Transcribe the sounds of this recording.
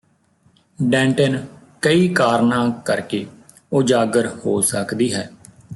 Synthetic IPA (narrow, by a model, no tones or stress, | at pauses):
ɖɛ̃ːɳʈən | kəiːkaːɾnãːkəɾkeː | oːd͡ʒaːɡəɾhoːsəkd̪iːɦɛː